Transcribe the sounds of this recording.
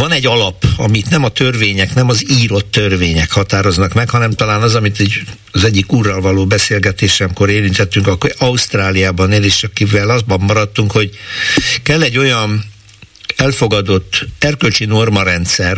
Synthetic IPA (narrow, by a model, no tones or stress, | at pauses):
vɒnɛɟːɒlɒpɒ̰mit̪nɛmɒt̪ørveːɲɛknɛmɒziːɾo̞t̪ːø̞rveːɲɛkhɒt̪aːɾo̞znɒkmɛkhɒnɛmt̪ɒlaːnɒzɒmit̪ɛɟ | ɒzɛɟːikuːrːɒlvɒloːbɛseːlɡɛt̪eːʃɛmko̞ɾeːɾint̪ɛt̪ːyŋkɒkːoɒust̪raːlijaːbɒneːleːʃɒkivɛlɒzbɒmːɒɾɒt̪ːuŋkho̞ɟ | kɛlːɛɟːo̞jɒn | ɛlfo̞ɡɒd̪o̞t̪ːɛrkølt͡ʃino̞rmɒɾɛnt̪sɛr